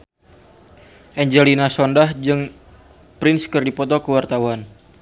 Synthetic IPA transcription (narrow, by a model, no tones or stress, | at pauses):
ʔɛɲd͡ʒɛlinasɔndahd͡ʒɨŋ | pɾɪnskɨrdipɔt̪ɔkəwart̪awan